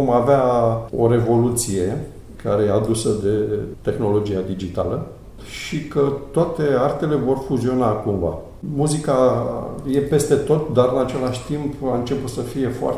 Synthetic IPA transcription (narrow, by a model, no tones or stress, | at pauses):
omaveao̞̰ɾe̞vo̞lut̪sije̞ | kaɾe̞jead̪usəd̪e̞t̪e̞xno̞lo̞d͡ʒijad̪id͡ʒit̪a̰lə | ʃikət̪oat̪e̞art̪e̞le̞vo̞rfuzio̞nakumva̰ | muzika | je̞pe̞st̪e̞t̪o̞t̪̚d̪aɾɨnat͡ʃe̞laʃʲt̪impaɨnt͡ʃe̞put̪səfije̞foa̰r